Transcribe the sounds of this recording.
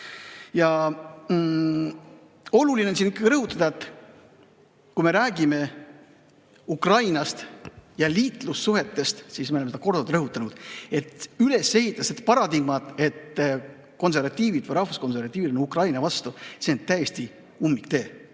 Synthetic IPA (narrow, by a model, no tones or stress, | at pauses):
jɑ | o̞lulinensinikːɑ̥ɾɤɦut̪ːˑɑd̪̥ɑet̪ːˑ | kujme̞ɾæːɡime̞ | ukrɑjnɑst̪jɑliːt̪ˑlusːuɦe̞t̪ːe̞st̪siːsme̞oemeseɑko̞rd̪̥ut̪ɾɤɦut̪ːˑɑnud̪̥e̞t̪ːyle̞se̞hit̪ːˑɑsed̪̥pɑɾɑd̪iɡmɑt̪ˑe̞t̪ː | ko̞ns̬e̞ɾvɑt̪ʲːˑiːvid̪vɯjɾɑhfusko̞nse̞ɾvɑt̪ːˑiːvid̪lonukrɑjnɑvɑst̪use̞ont̪æjest̪i | umːikt̪e̞ː